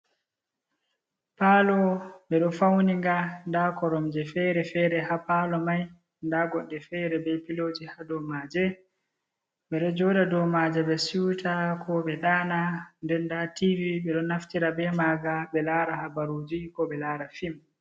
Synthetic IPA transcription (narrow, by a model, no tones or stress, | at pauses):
paːlɔɓɛɗɔfawniŋɡandakɔɾɔmd͡ʒɛfɛɾɛfɛːɾɛhapalɔmaj | ndaɡɔɗːɛfɛɾɛbɛpilod͡ʒihadɔmaːd͡ʒɛ | ɓɛɗɔd͡ʒɔːɗadɔmad͡ʒɛɓɛsiwtʰakʰɔɓɛɗaːnandɛndativiɓɛɗɔnaftiɾabɛmaɡaɓɛlaɾahabaɾoːd͡ʒikɔɓɛlaːɾafim